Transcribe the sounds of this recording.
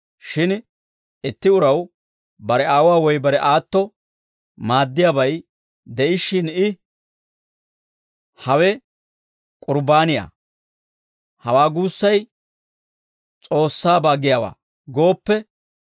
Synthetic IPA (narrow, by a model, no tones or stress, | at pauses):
ʃɪn | ɪt̪ːɪʊɾɐw | bɐɾɛaːwaːwɔjbɐɾɛʔaːt̪ːɔ | maːd̪ːɪjaːbɐj | d̪ɛʔɪʃːɪnɪ | hɐwɛ | kʼʊɾbaːnɪja̰ː | hɐwaːɡuːsːɐj | t͡sʼo̞ːsːaːbaːɡɪjaːwa̰ː | ɡo̞ːpːɛ